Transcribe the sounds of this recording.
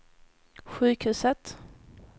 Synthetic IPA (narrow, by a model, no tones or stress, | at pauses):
ɧʉ̟ːkhʉ̟ːsət̪